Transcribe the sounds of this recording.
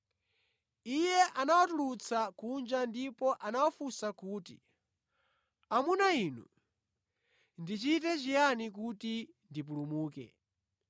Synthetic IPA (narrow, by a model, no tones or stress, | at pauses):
ijɛʔanawatulut͡sʰakund͡ʒandipɔʔanawafusakuːtḭ | amunainṵ | ndit͡ʃitɛt͡ʃijanikuti | ndip̬ulumuːkɛ̰